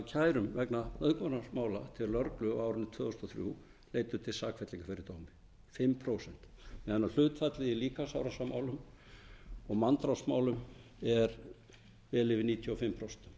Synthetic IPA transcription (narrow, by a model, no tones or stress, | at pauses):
acʰaːjɾʏmvɛknamœðkvɔnasmaːwla̰t̪ʰɪlːœɾklʏ̰aːwɾʏnːɪt̪ʰv̥œːðɔst̪ɔθɾjṵ | leːjt̪ʏt̪ʰɪlsaːkʰvɛt̪liŋkafɪɾɪɾt̪oːwmɪ̥ | fɪmːpʰɾoːwsɛn̥t̪mɛθɛnːal̥ʏːt̪fat̪lɪiliːkasawɾasama̰ːwlʏm | ɔɣmant̪ɾasmaːwlʏm | ɛɾ | vɛːlɪvɪniːt̪ʰjɔɔfɪmːpʰɾowsɛnt̪m